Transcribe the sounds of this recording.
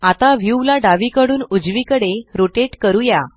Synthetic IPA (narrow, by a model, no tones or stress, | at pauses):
at̪aʋjuʋlaɖaʋikəɽuːnud͡zʋikəɽeɾoʈeʈkəɾuja